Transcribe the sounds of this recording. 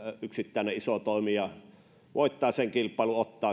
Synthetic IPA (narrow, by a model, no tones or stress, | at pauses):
yksit̪ːæˑeneʔʔisot̪oˑimijɑ | ʋoˑit̪ːˑɑːseŋkilpːˑɑˑeluot̪ːɑː